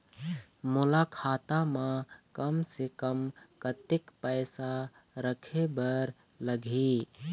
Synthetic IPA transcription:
mulakʰaːt̪amãkəmsekəmkət̪ɪkpəɪsa | ɾəkʰebəɾ | ləɡʱi

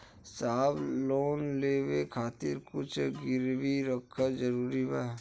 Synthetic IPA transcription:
saːbloːnleːwekʰaːt̪iɾkʊt͡ʃʰɡɪɾʋiɾəkʰːad͡ʒəɾuːɾibɛɦ

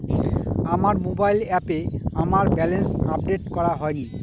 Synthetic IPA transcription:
amaɾmobajlɛpeamaɾbɛlensap̚ɖeʈkɔɾaɦɔeni

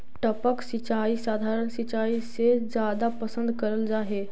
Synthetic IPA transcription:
ʈəpəksɪt͡ʃaːisaːd̪ʱaːɾəɳ̃sit͡ʃaːised͡ʒjaːd̪apəsə̃nd̪kəɾəld͡ʒaːɦeː

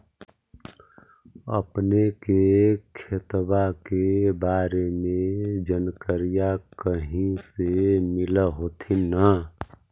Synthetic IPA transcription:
ə̰pnekekʰet̪bakebaːɾemẽd͡ʒənkəɾijakəɦĩsemɪləɦot̪ʰinə

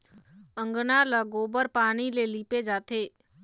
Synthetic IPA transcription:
ə̃ŋɡnaləɡoːbəɾpaːɽ̃ileliːped͡ʒaːt̪eː

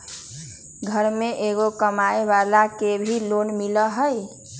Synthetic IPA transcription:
ɡʱəɾmeʔeɡokəmaebalakebʱilonmiləɦəj

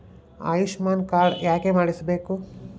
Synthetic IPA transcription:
a̰ːjuʂmaːnkaːɭjaːkemaːɽisɐbeːku

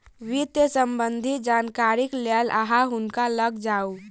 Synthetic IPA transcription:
ʋit̪jəsəmbənd̪ʱid͡ʒankaɾiklalʔa̰ɦaɦʊnkaləɡd͡ʒau

